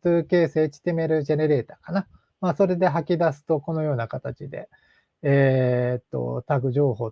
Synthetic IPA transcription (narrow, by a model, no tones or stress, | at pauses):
ɨːke̞ːse̞ːt͡ɕi̥t̪e̞me̞ɾɯ̟ʑe̞ne̞ɾe̞ːt̪aːkana | maːso̞ɾe̞d̪e̞ɦakʲid̪asɨ̥t̪o̞ko̞no̞jo̞ːnakat̪at͡ɕid̪e̞̰ | eːt̪ːo̞̰t̪aɡɯ̟ʑo̞ːho̞ː